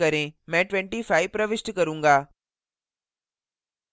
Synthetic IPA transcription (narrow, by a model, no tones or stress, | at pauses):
ɐɾẽmɛ̃ːʈʋɛ̃ɳʈifaːɪʋpɾɐʋɪʃʈkɐɾũːŋɡaː